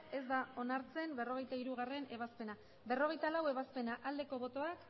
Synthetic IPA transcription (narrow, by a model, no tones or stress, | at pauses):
e̞zd̪ao̞naɾt͡se̞mbe̞ro̞ɣ̞e̞jt̪aiɾuɣ̞are̞ne̞β̞aspe̞na | be̞ro̞ɣe̞jt̪alawe̞βaspe̞naʔald̪e̞ko̞βo̞t̪o̞ak